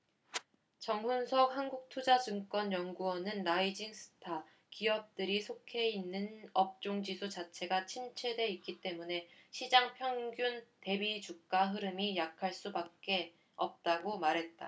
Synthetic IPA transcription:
t͡ɕʌŋɦunsʰʌk̚hanɡuk̚tʰod͡ʑad͡ʑɯŋk͈wʌnjʌŋɡuʌnɯnɾaid͡ʑiŋsʰɯ̥tʰa | kiʌp̚t͈ɯɾisʰokʰe̞inːɯnʌp̚t͡ɕ͈oŋd͡ʑisʰut͡ɕat͡ɕʰe̞ɡat͡ɕʰimt͡ɕʰe̞dwe̞ik͈it͈e̞mune̞ɕʰid͡ʑaŋpʰjʌŋɡjunte̞bid͡ʑuk̚k͈aɦɯɾɯmijakʰaɭs͈ubak̚k͈e̞ | ʌp̚t͈aɡomaɾɦe̞t̚t͈a̰

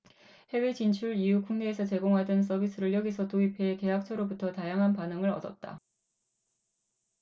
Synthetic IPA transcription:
he̞we̞t͡ɕint͡ɕʰuɾijukuŋneːsʰʌt͡ɕe̞ɡoŋɦadɯns̬͈ʌbis͈ʰɯɾɯɭjʌɡisʰʌtoipʰe̞ke̞ɦak̚t͡ɕʰʌɾobutʰʌtajaŋɦanpanɯŋɯɾʌ̰dʌt̚t͈a̰

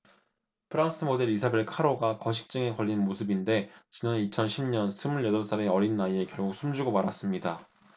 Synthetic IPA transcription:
pʰɯɾaŋs͈ʰɯmode̞ɾisʰabe̞ɭkʰaɾoɡakʌɕʰi̥k̚t͡ɕ͈ɯŋe̞kʌʎːinmosʰɯbinde̞t͡ɕinanit͡ɕʰʌnɕʰimɲʌnsʰɯmuɭjʌdʌɭs͈aɾeʌɾinːaie̞kjʌɭɡuk̚s͈umd͡ʑuɡomaɾas͈ɯmɲida

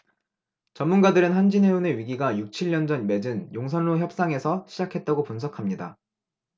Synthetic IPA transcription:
t͡ɕʌnmunɡadɯɾɯnɦand͡ʑineone̞ɥiɡiɡajuk̚t͡ɕʰiʎːʌnd͡ʑʌnme̞d͡ʑɯnjoŋsʰʌnɭoçjʌp̚s͈aŋe̞sʰʌɕʰid͡ʑakʰe̞t̚t͈aɡopunsʰʌkʰamɲida̰

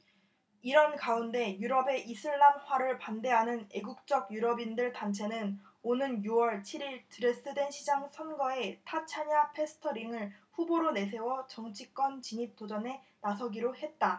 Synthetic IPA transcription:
iɾʌnkaunde̞juɾʌbe̞ʔisʰɯɭːanɸwaɾɯɭpande̞ɦanɯne̞ɡuk̚t͡ɕ͈ʌɡ̚juɾʌbindɯɭtant͡ɕʰe̞nɯn | onɯnjuwʌɭt͡ɕʰiɾiɭtɯɾes͈ɯdwe̞nɕʰid͡ʑaŋsʰʌnɡʌe̞tʰat͡ɕʰaɲapʰe̞sʰɯ̥tʰʌɾiŋɯɭɸuboɾone̞sʰe̞wʌt͡ɕʌŋt͡ɕʰik͈ʌnt͡ɕiɲip̚t͈od͡ʑʌne̞nasʰʌɡiɾohe̞t̚t͈a

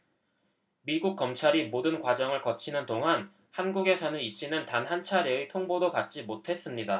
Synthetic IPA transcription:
miɡuk̚k͈ʌmt͡ɕʰaɾimodɯnkwad͡ʑʌŋɯɭkʌt͡ɕʰinɯndoŋɦan | hanɡuɡe̞sʰʌnɯniɕ͈inɯntanɦant͡ɕʰaɾietʰoŋbodokat̚t͡ɕ͈imotʰe̞s͈ɯmɲida

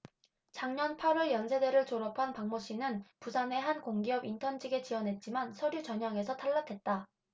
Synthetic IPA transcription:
t͡ɕaŋɲʌnpʰaɾwʌɭjʌnsʰe̞de̞ɾɯɭt͡ɕoɾʌpʰanpaŋmoɕ͈ʰinɯnpusʰane̞ɦankoŋɡiʌbintʰʌnd͡ʑiɡe̞t͡ɕiʌnɦe̞t̚t͡ɕ͈imansʰʌɾjut͡ɕʌɲaŋe̞sʰʌtʰaɭːakʰe̞t̚t͈a

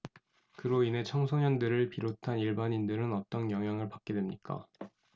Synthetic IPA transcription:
kɯɾoine̞t͡ɕʰʌŋsʰoɲʌndɯɾɯɭpiɾotʰaniɭbaɲindɯɾɯnʌt͈ʌnkjʌŋɦjaŋɯɭpak͈̚e̞dwemɲik͈a̰

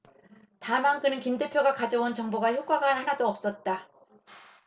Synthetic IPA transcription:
tamaŋk͈ɯnɯnkimde̞pʰjoɡakad͡ʑʌwont͡ɕʌŋboɡaçjok͈aɡanhanadoʌp̚s͈ʌt̚t͈a

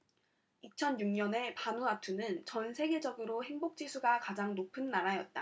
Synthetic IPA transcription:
it͡ɕʰʌnjuŋɲʌne̞panuatʰunɯnt͡ɕʌnsʰe̞ɡe̞d͡ʑʌɡɯɾohe̞ŋbok̚t͡ɕ͈isʰuɡakad͡ʑaŋnopʰɯnːaɾajʌt̚t͈a̰

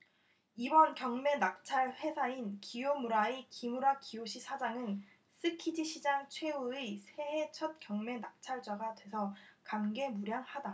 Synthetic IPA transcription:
ibʌnkjʌŋme̞nak̚t͡ɕʰaɭɸwe̞sʰainkijomuɾaikimuɾakioɕʰisʰad͡ʑaŋɯn | s͈ɯkʰid͡ʑiɕʰid͡ʑaŋt͡ɕʰwe̞uesʰe̞ɦet͡ɕʰʌt̚k͈jʌŋme̞nak̚t͡ɕʰaɭd͡ʑ͈aɡadwe̞sʰʌkamɡe̞muɾjaŋhada

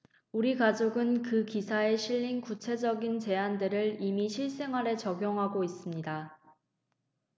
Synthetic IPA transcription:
uɾikad͡ʑoɡɯnkɯkisʰae̞ɕʰiʎːinkut͡ɕʰe̞d͡ʑʌɡint͡ɕe̞andɯɾɯɭimiɕʰiɭs͈e̞ŋɦaɾe̞t͡ɕʌɡjoŋɦaɡois͈ɯmɲida

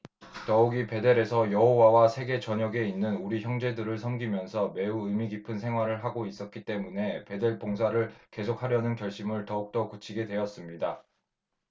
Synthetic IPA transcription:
tʌuɡipe̞de̞ɾe̞sʰʌjʌɦowawasʰe̞ɡe̞t͡ɕʌɲʌɡe̞inːɯnuɾiçjʌŋd͡ʑe̞dɯɾɯɭsʰʌŋɡimjʌnsʰʌme̞uɯmiɡipʰɯnsʰe̞ŋɦwaɾɯɭɦaɡois͈ʌt̚k͈it͈e̞mune̞pe̞de̞ɭpoŋsʰaɾɯɭke̞sʰok̚haɾjʌnɯnkjʌɭɕ͈imɯɭtʌuk̚t͈ʌkut͡ɕʰiɡe̞dwe̞jʌs͈ɯmɲida

